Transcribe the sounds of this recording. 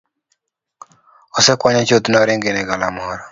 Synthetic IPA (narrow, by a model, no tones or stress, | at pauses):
ɔsɛkwaɲɔt͡ʃot̪nɔɾɪŋɡɪnɛɡalamɔɾɔ